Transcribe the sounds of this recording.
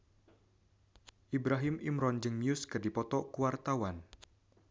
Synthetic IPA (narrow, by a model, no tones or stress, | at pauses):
ʔibɾaɦɪmʔimɾɔnd͡ʒəŋnjʊskɨrdipɔt̪ɔkuwart̪awan